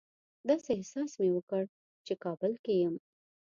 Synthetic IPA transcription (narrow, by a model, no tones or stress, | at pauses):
d̪ɑsehsɑsmewəkəɽ | t͡ʃekɑbəlkejəm